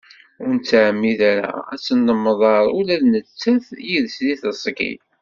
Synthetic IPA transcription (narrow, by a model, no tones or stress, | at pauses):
ʊɾnt͡sːaʕmːiðaɾa̰æ̰t͡sːənːəmːðˤɑɾˤulæðnət͡sːæθjiðsliθəsˤɡḭ